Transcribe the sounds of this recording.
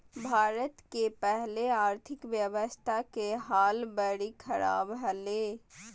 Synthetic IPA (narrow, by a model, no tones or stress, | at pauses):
bʱaːɾət̪kepɛɦleaːɾt̪ʰɪkʋjəʋəst̪ʰakeɦaːlbəɽikʰɐɾa̰ːbɦɐleː